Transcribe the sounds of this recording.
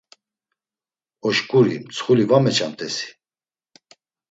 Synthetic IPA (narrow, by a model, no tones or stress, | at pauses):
ɔʃkʼuɾimt͡sʰχulivamɛt͡ʃʰʼant̪ʼɛsi̥